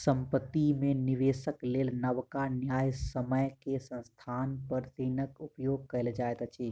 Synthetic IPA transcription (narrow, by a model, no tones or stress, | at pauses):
sə̃mpət̪ːimẽnɪʋeːsəkleːlnəʋkanjaːjsəməjkesə̃nst̪ʰaːnpəɾt̪inəkʊpjoːɡ̚kəɪld͡ʒaːet̪ət͡ʃʰi